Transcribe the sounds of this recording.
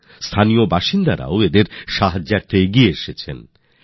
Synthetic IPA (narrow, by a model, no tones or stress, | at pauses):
st̪ʰaniobaʃind̪aɾa̰oed̪eɾʃaɦad͡ʑːaɾt̪ʰeɡieeʃet͡ɕʰen